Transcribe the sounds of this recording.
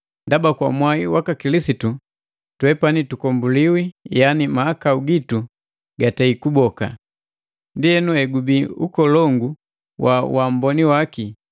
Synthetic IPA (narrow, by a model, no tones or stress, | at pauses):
ndabakwamwaiwakakilisitu | twɛpanitukɔmbuliwijanimaːkauɡitu | ɡataikubɔka̰ | ndiɛnuɛɡubiṵkɔlɔŋɡu | wʔawam̩bɔniwaki